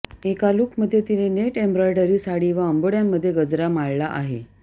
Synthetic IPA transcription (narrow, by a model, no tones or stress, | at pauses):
ekaluːkməd̪ʱːjet̪inineʈembɾɔjɖəɾiːsaɽiːʋaəmboɽjamːəd̪ʱːjeɡəd͡zɾamaɭlaʔaɦe